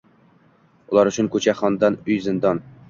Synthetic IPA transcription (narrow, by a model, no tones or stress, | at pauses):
ʊlˠɑɾʊt͡ʃʰʊnkʰɵt͡ʃʰaχɒnd̪ɑnɵjzɪnd̪ɒn